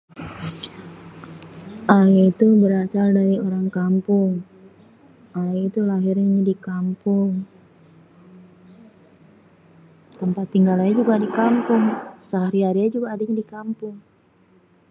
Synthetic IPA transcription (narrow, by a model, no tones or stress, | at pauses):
ʔaait̪ubəɾasaldaɾioɾaŋkampʊŋ | ʔaait̪ulaɦɪrɲaɲadikampʊŋ | t̪əmpat̪ːiŋɡalaɲad͡ʒuɡadikampʊŋsaɦaɾiaɾijad͡ʒuɡaːdaɲadikampʊŋ